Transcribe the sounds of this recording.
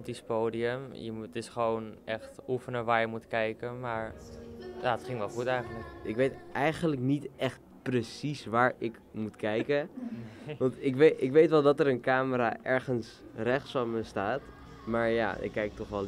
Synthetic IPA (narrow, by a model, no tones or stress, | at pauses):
tispoːdiəmjə̰tɪsχəʋownʔɛxtufənəʋaːɹjəmutkɛjkəmaːɹ | jaːətχɪŋʋɛlˠχutɛjxənləkʔɪkʋejtʔɛjχənləknitɛχt̚ | prəsisʋaːɹɪk | mutkɛjkə | ʋɑntɪkʋeɪkʋejtʋɛlˠdɑtəɾənkaːməɾa̰ːʔɛɹχəns | rɛχtsfɔnməstaːt | maːɹja̰ːɪ̰kːɛjk̚tɔχʋɛlˠ